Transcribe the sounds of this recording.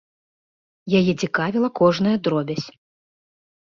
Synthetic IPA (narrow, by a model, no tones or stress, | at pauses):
jajɛt͡sʲikavʲilˠɐkɔʐnɐjɐd̪ɾɔbʲɐsʲ